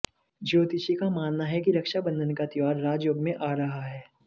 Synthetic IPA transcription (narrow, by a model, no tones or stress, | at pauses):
d͡ʒoːt̪it͡ʃikamaːnːaɦɛkiɾɐkʃabə̃nd̪ʱənkat̪ɪʋaːɾːaːd͡ʒjoːɡmẽʔaːɾɐɦaɦɛː